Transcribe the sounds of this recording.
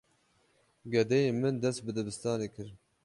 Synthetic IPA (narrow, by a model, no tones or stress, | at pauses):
ɡɛd̪ɛjeːmɨnd̪ɛst̪̚bɨd̪ɨbɨst̪ɑːneːkʰɨɾ